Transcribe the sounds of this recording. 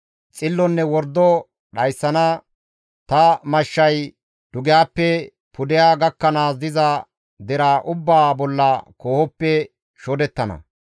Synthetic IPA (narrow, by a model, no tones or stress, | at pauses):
t͡sʼɪlːɔnːɛwɔɾd̪ːɔ | ɗɐjsːɐnɐ | t̪ɐmɐʃːɐj | d̪̥ʊɡɪjaːpːɛ | pʊd̪ɛjaːɡɐkːɐnaːsd̪ɪzɐ | d̪ɛɾaʔʊbːaːbɔlːɐkoːhɔpːɛ | ʃɔd̪ɛt̪ːɐnɐ̰